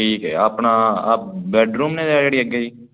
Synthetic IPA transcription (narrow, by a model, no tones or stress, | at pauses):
iːkɛ̰ːapɳaːbɛːɖɾuːmnẽːd̪eaːd͡ʒeːɽiːəɡeiː